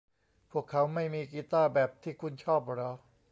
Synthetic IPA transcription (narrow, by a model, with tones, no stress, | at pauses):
pʰu˥˩əkʰːa˦˥wma˥˩jmiː˧kiː˧˥t̪aː˥˩bɛː˨˩p̚t̪ʰiː˥˩kʰu˧nt͡ɕʰɔː˥˩p̚ɾɔ˦˥